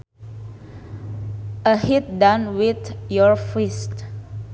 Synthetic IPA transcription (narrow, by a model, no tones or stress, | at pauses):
əhit̚dãnwit̪jɔɹfist